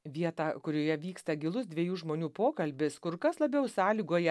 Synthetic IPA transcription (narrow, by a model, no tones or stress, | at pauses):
ʋʲiɛt̪ɑːkʊɾʲoːjɛʋʲiːkst̪ɐɡʲɪlˠʊsd̪ʲʋʲiɛjuːʒmoːnʲuːpoːkɐlʲbʲɪskʊɾkɐslˠɐbʲɛʊsɑːlʲiːɡoːjɛ